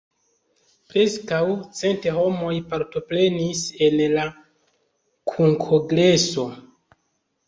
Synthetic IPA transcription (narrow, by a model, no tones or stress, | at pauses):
pɾe̞skawt͡se̞nteho̞mo̞jpaɾto̞pɾe̞nise̞nla | kʰuŋkʰoɡɾe̞so̞